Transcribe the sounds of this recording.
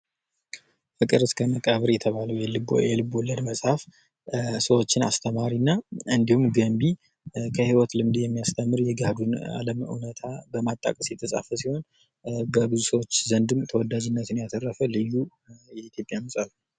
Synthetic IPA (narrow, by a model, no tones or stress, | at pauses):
fɨkʼɨɾɨskʰəməkʼəβɨɾjɛt̪ʰəβaləwjɨb̰jɛlɨbɔlːəd̪məsʼhaf | səwo̞t͡ʃːɪna̰st̪ʰəmaɾinːaɨnd̪ihumɡəmbi | kʰəhiwɔt̪lɨmd̪jɛmːijast̪ʰəmːɨɾjɛɡahd̪una̰ləmɨ̰wnət̪ʰabəmat̪ʼːa̰kʼəsit̪ʰʼːəsʼa̰fəsiho̞n | bəbɨzusəwo̞t͡ʃːzənd̪ɨmt̪ʰəwɔd̪ad͡ʒɪnːət̪ɨnjat̪ʰərːəfəlɨjːu | jɛit̪ʰjo̞pʼjanmɨsʼalːu